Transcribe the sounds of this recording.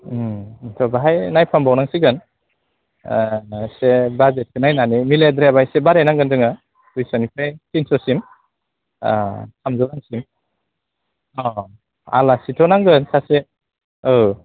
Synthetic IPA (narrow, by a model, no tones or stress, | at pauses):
tʰɔbaɦajnajpʰambawnaŋsiɡɯn | sebazet̚kʰɯnajnanimiledɾebajsebaɾenaŋɡɯndɯŋa | ujsɔnipʰajtinsɔsim̰ | sʰamzɔlaŋsim | ɔ | a̰lasitʰɔnaŋɡɯnsase | ɯ